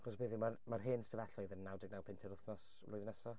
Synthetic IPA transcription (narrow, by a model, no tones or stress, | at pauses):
aχɔsbeːðɪmarmarɦeːnstəvaɬɔɨðənːawdɪɡ̚nawpʰɪntʰɛɾʊθnɔs | vlˠʊjðnɛsɔ